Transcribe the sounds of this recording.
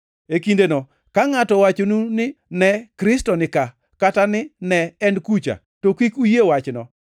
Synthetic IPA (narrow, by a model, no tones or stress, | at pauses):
ekindenɔ | kaŋatɔwat͡ʃonunɪnɛkɾɪstɔnɪka | katanɪnɛɛnkut͡ʃa̰ | tokikujewat͡ʃnɔ